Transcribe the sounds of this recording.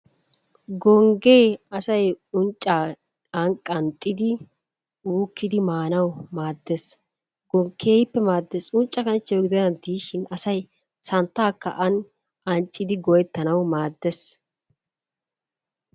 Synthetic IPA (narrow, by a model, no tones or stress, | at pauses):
ɡɔŋɡe̞ːɐsɐjʊnt͡ʃʼːaː | ɐnkʼɐnt̪ʼːɪd̪ɪ | uːkːɪd̪ɪmaːnɐwmaːd̪ːes | ɡɔkʰeːjɪpːɛmaːd̪ːesʊnt͡ʃʼːɐkɐnt͡ʃːɛwɡɪd̪ɐnɐnt̪ːiːʃɪnɐsɐj | sɐnt̪ːaːkːɐ̰ʔɐn | ʔɐnt͡ʃʼːɪd̪ɪɡɔjɛt̪ːɐnɐwmaːd̪ːes